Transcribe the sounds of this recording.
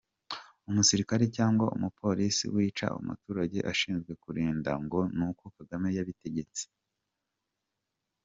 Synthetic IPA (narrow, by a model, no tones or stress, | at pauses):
umusiɾikaɾecaːŋɡwaʔṵmupʰo̞ɾisḭwiːt͡ʃa̰ṵmṵtuɾaɟe̞̰ʔaʃiːnzɡwe̞kuɾiːnda̰ŋɡo̞nukokaɡame̞jaβite̞ɟe̞t͡si̥